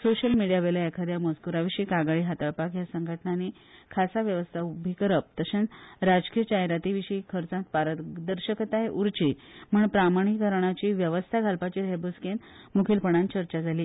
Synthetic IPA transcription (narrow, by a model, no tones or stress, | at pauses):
soɕəlmiɽijaʋeləekʰad̪ʱjamoskuɾaʋiɕiːkaɡaɭiɦat̪aɭpakjasəŋɡʱəʈnani | kʰasaʋjəʋəst̪ʰaubʱikəɾəp̚t̪əɕə̃nt͡sɾad͡zkijət͡ɕaɦjɾat̪iʋiɕikʰəɾt͡sãnt̪̚paɾət̪d̪əɾɕəkət̪aɦeʔuɾt͡ɕim̤əɳpɾamaɽ̃ikːəɾɳ̃at͡ɕiːʋjəʋəst̪ʰaɡʱalpat͡ɕiːɾebusken | mukʰilpəɳ̃ãnt͡ɕəɾt͡ɕad͡zʱaliː